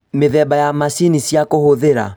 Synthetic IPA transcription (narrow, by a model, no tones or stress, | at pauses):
meðɛbajamasinisjakohoðeɾa̰